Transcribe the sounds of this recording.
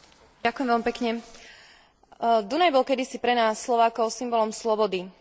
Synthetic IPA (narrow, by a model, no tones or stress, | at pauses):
akujɛmʋɛlmipɛkɲɛ | d̪unajbɔlkɛd̪isipɾɛnaːsːlɔʋaːkɔʊsimbɔlɔmslɔbɔd̪i